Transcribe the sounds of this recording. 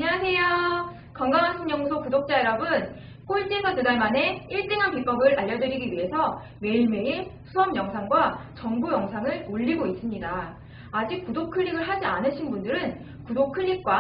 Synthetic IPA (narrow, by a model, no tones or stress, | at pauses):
ɲaasʰe̞jo | kʌŋɡaŋɦansʰʌŋɲʌŋsʰokudok̚t͡ɕ͈aeɾʌbɯn | k͈oɭt͡ɕ͈isʰʌtudaɭmane̞iɭt͈eŋɦanpip͈ʌɡɯɾaʎːʌdɯɾiɡiɥiɦe̞sʰʌ | me̞iɭme̞isʰuʌmjʌŋsʰaŋɡwat͡ɕʌŋbujʌŋsʰaŋɯɭmoʎːiɡois͈ɯmɲidaː | d͡ʑik̚k͈udokʰɯʎːiɡɯɭɦad͡ʑianɯɕʰinbundɯɾɯn | kudokʰɯʎːik̚k͈wa